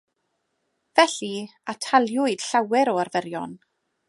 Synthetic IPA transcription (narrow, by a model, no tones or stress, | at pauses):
vɛɬiatʰalˠjʊɨd̥ɬawɛɾɔarvɛɾjɔn